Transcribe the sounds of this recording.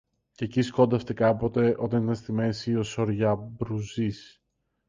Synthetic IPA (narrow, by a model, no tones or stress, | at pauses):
cecisko̞nd̪ɐft̪ekɐpo̞t̪e̞ʔo̞t̪ɐnit̪ɐnst̪ime̞siosoɾʝɐbɾuzis